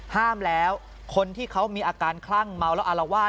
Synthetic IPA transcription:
haː˥˩mlɛː˦˥w | kʰo˧nt̪ʰiː˥˩kʰa˦˥wmiː˧ʔaː˧kaː˧nkʰla˥˩ŋma˧wlɛ˦˥wʔa˧la˧waː˥˩

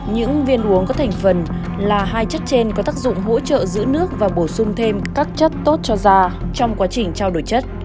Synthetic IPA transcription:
ɲɨ̰˧˥ŋvi˧ənʔu˨˦əŋkɔ˨˦t̪ʰɛ˨˩ŋ̟fə˨˩n | laː˨˩ɦaː˧jt͡ɕə˦˥t̚t͡ɕe˧nkɔ˨˦t̪aː˦˥k̚zʊ̰˧˨ŋ͡mɦo̰˧˥t͡ɕə̰ː˧˨zɨ̰˧˥nɨ˦˥ək̚vaː˨˩ɓo˧˩sʊ˧ŋ͡mt̪ʰe˧mkaː˦˥k̚t͡ɕə˦˥t̚t̪o˦˥t̚t͡ɕɔ˧zaː˧t͡ɕɔ˧wŋ͡mkwaː˨˦t͡ɕï˨˩ŋ̟t͡ɕaː˧wɗo˨˩jt͡ɕə˦˥t̚

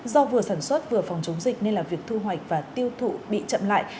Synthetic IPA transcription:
zɔ˧vɨ˨˩əsaː˧˩nswə˦˥t̚vɨ˨˩əfɔ˨˩wŋ͡mt͡ɕʊ˨˦wŋ͡mzï˨˩k̚ne˧nlaː˨˩vi˨˩ək̚t̪ʰu˧ɦwa˨˩jk̟̚vaː˨˩t̪i˧əwt̪ʰṵ˧˨ɓḭ˧˨t͡ɕə̰˧˨mla̰ː˧˨j

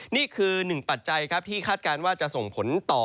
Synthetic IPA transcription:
niː˥˩kʰɯː˧nɯ˨˩ŋpa˨˩t̪̚t͡ɕa˧jkʰɾa˦˥p̚t̪ʰiː˥˩kʰaː˥˩t̪̚kaː˧nwaː˥˩t͡ɕa˨˩ʔso˨˩ŋpʰo˩˦nt̪ɔː˨˩

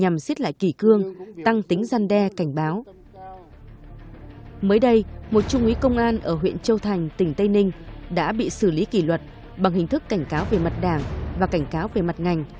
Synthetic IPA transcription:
ɲa˨˩msi˦˥t̚la̰ː˧˨jki˧˩kɨ˧əŋt̪a˧ŋt̪i˨˦ŋ̟zaː˧nɗɛ˧ka˧˩jŋ̟ɓaː˨˦w | məː˨˦jɗə˧jmo˨˩t̚t͡ɕʊ˧ŋ͡mʔi˨˦kə˧wŋ͡mʔaː˧nʔəː˧˩ɦwḭ˧˨ənt͡ɕə˧wt̪ʰa˨˩jŋ̟t̪ï˧˩ŋ̟t̪ə˧jnï˧ŋ̟ɗa̰ː˧˥ɓḭ˧˨sɨ˧˩li˨˦ki˧˩lwə˨˩t̚ | ɓa˨˩ŋhï˨˩ŋ̟t̪ɨ˦˥kːa˧˩jŋ̟kaː˨˦wve˨˩ma˨˩t̚ɗaː˧˩ŋvaː˨˩ka˧˩jŋ̟kaː˨˦wve˨˩ma˨˩t̚ŋa˨˩jŋ̟

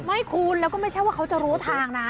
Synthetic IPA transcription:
ma˥˩jkʰu˧nlɛː˦˥wkɔː˥˩ma˥˩jt͡ɕʰa˥˩jwaː˥˩kʰwt͡ɕa˨˩ɾuː˦˥t̪ʰaː˨˩ŋna˦˥

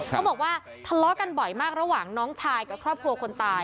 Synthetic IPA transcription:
a˦bɔː˨˩k̚waː˥˩ | t̪ʰa˧lɔ˦˥ka˧nbɔ˨˩jmaː˥˩k̚ɾa˧waː˨˩ŋnɔː˦˥ŋt͡ɕʰaː˧jka˨˩kʰɾɔː˥˩p̚kʰɾu˧ɐəkʰo˧nt̪aː˧j

